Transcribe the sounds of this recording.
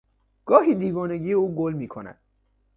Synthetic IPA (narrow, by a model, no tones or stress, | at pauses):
ɡ̥ɒːɦiːd̪iːvɒːne̞ɟiːjeuːɡolmiːkʰo̞næ̰d̪̥